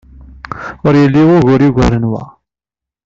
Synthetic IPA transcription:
ʊɾjəlːiwʊɣʊɾjiɡʷæɾənwæ̰

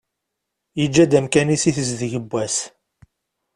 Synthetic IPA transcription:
jəd͡ʒːæd̪æmkænisiθəzðəʝəbʷːæs

